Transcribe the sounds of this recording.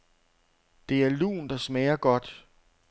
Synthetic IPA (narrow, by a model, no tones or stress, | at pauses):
d̥e̝æɐlṵːnd̥ɑ̈smɛːɐɡ̥ɒ̽d̥